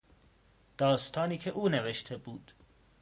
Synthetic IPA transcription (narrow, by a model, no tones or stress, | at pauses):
d̪̥ɒːst̪ʰɒːniːcʰeʔuːneveʃt̪ʰe̞buːd̪̥